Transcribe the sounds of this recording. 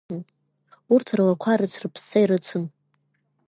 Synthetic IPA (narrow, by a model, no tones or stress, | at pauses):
urtʰrlakʷʰaɾɨt͡sʰrɨpʰsaiɾɨt͡sʰɨn